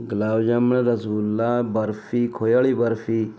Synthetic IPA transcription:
ɡlaːwd͡ʒɐmɳeɾɐsulːaːbɐɾfikʰojaɭibɐɾfi

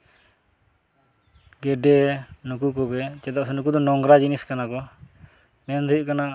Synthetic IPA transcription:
ɡɛɖɛnuk̬ukɔɡɛt͡ʃɛd̪aʔsɛnuk̬ud̪ɔnɔŋɡɾad͡ʒiniskanakɔ | mɛnd̪ujuʔkana

